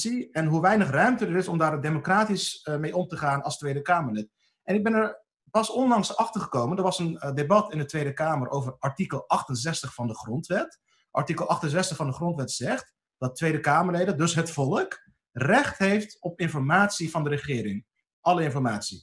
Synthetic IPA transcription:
siɛnɦuʋɛjnəχrœɥmtədəɾɪsɔmdaːɹdemokraːtismejɔmtəχaːnɑlˠstʋejdəkaːməɹlet | ɛnɪɡ̚bɛnəɹ | pɑsɔnlɑŋsɑχtəɹχəkowməndəɹʋɑsəndebɑtɪndətʋejdəkaːməɹʔo̰wvəɹɑɹtikəlˠɑχtənzɛstəχfɑndəχrɔntʋɛt | ʔɑ̰ɹtikəlˠɑχtənzɛstəχfɑndəχrɔntʋɛtz̥ɛχt | d̥ɑttʋejdəkaːməɹlejdəndɵsɦətfɔlˠək | rɛχtɦejftɔpɪnfɔɹmaːtsivɑndəɾəχɪːɾɪŋ | ʔɑləɪnfɔɹmaːtsi

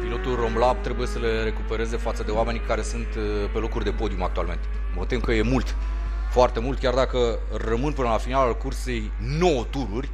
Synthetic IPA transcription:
pilo̞t̪ulro̞mlab̚t̪ɾe̞buje̞səlre̞kupe̞ɾe̞ze̞fat̪səd̪e̞oame̞nʲkaɾe̞sunt̪ | pe̞lo̞kurʲd̪e̞po̞d̪iumak̚t̪ualme̞nt̪e̞̥ | mot̪imkəje̞mult̪ | foart̪e̞mult̪̚kʲard̪akə | rəmɨnpɨnəlafinalalkurse̞j | no̞wət̪uɾurʲ

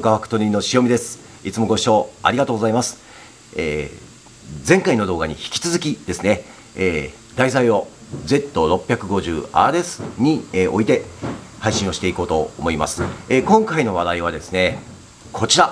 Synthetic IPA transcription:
kaβakɯ̥t̪o̞ɾʲinːoɕijo̞mʲid̪e̞sɨ̥ | it͡sɨmo̞ɡo̞ɕi̥ɕo̞ːa̰ɾʲiɡat̪o̞ːɡozaimasɨ̥ | ḛː | d͡zẽ̞ŋkaino̞d̪o̞ːɡaɲ̟içi̥kʲi̥t͡sɨzɨkʲid̪e̞sɨne̞ː | d̪aisaio̞d͡ze̞t̪ːo̞ɾo̞pʲːjakɯ̟ɡo̞ʑɨ̰ːa̰ɾe̞sɨ̥ɲ̟ieʔo̞it̪e̞haiɕĩɰ̃o̞ɕi̥t̪e̞iko̞ːt̪o̞ːmo̞ima̰sɨ̥ekõ̞ŋkaino̞β̞ad̪aiβ̞ad̪e̞sɨne̞ | kʰo̞t͡ɕiɾa

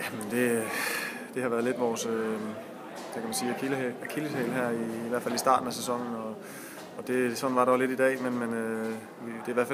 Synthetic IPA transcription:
jæmend̥e̝ | d̥e̝hɑʋæːɐð̩ˠle̝d̥ʋɒːsø | d̥ækʰæmænsiːækʰilækʰiləhḛːlɦæɐiːʋæɐ̰fælisd̥ɑ̰̈ːd̥n̩æsesɒ̽ŋ̰n̩ɒ̽ː | d̥e̝sɒ̽d̥n̩ʋɑ̈ɾɑʊle̝d̥id̥ɛ̰ːmenmenø | ʋid̥e̝ʋæɐ̥fæ

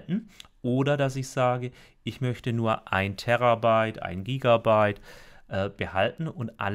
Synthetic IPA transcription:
tn̩ | ʔoːdɐdasɪçz̥aːɡə | ʔɪçmœçtənuːɐʔa̰ɪntʰɛʁabaɪtʔa̰ɪnɡiːɡabaɪtʔɛːb̥əha̰ltn̩ʊntʔa̰l

